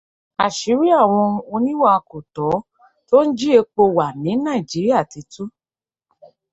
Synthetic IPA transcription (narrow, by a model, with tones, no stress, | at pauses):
a˨ʃi˨˦ɾi˦a˦˨w̃ɔ̃˧o˧nĩ˦wa˦a˧ko˨tɔ˨˦ | to˦n̩˦d͡ʒi˦e˧k͡po˧wa˨mĩ˨˦nã˦˨i˨d͡ʒi˨˦ɾi˦a˦˨ti˧˦tu˦